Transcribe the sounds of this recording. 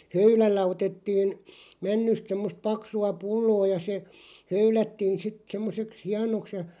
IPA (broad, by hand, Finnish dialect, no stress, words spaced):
høylælːæ otetːiːn mænːyst semːost pɑksuɑ pulːoː jɑ se høylætːiːn̞ sit semːoseks hiɑnoks jɑ